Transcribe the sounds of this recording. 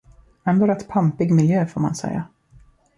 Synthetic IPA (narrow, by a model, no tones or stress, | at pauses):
ɛndoɾɛt̪ːpʰampɪɡmɪljøːfoːɾma̰nsɛ̰jːa̰